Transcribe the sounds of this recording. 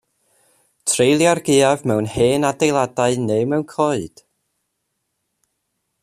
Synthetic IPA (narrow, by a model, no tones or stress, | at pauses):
tʰrejlˠjarɡɪːavmɛwnheːnadejlˠadaɨneːmɛwnkʰɔːɨd̥